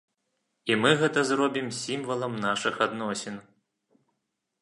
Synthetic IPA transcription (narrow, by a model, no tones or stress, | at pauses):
imɨɣɛt̪ɐzrɔbʲimsʲimvɐlˠɐmnaʂɨxad̪nɔsʲɛn